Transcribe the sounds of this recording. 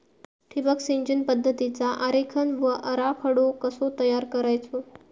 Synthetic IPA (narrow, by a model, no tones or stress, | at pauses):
ʈʰibəksiɲd͡ʑənpəd̪ʱːət̪it͡saʔaɾekʰənʋəʔəɾapʰəɽokəsot̪əjaɾkəɾajt͡sʰo